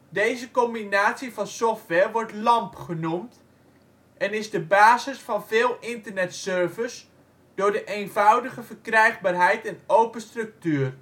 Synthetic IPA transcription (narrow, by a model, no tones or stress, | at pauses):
dejzəkɔmbinaːtsivɑnsɔftʋɛrʋɔrtlɑmpχənumt | ʔɛnɪzdəbaːzɪsfɑnvɪːlˠɪntərnɛtsøɹvəs | d̥ʊːɹdəʔejnvʌwdəχəvərkrɛjχbaːrɦɛjtɛnowpəstrɵk̚tyːr